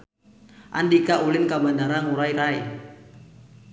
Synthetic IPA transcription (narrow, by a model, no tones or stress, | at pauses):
ʔa̰ndikaʔulɪnkabandaɾaŋuɾaiɾai